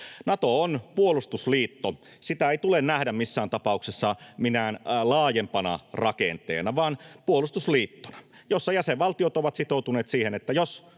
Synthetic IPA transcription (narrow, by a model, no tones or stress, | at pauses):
nɑt̪oonpuolust̪usliːt̪ːo | sit̪æeit̪ulennæhdæmmisːæːnt̪ɑpɑuksesːɑminænlɑːjempɑnɑ̰rɑkḛnt̪ḛːnɑʋɑːnpuolust̪usliːt̪ːo̥nɑ̥ | josːɑjæseʋʋɑlt̪iot̪oʋɑt̪sit̪out̪uneːt̪siːhenet̪ːæjos